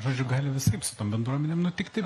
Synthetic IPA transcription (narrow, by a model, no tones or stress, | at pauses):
ʒoːd͡ʒʲʊɡɑːlʲɪʋʲɪsɐɪpsʊt̪oːmbʲɛnd̪ɾuɔmʲɛnʲeːmnʊt̪ʲɪkt̪ɪ